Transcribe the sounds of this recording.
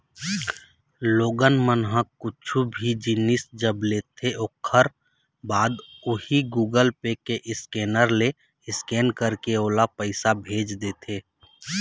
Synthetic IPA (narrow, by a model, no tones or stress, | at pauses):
loːɡənmənɦə̃kʊt͡ʃʰubʱid͡ʒɪnɪsd͡ʒəbleːt̪ʰeokʰəɾ | baːd̪ʊhiɡuːɡəlpekeʔɪskeːnəɾle | ɪskeːnkəɾkeoːlapəɪsabʱeːd͡ʒd̪eːt̪ʰeː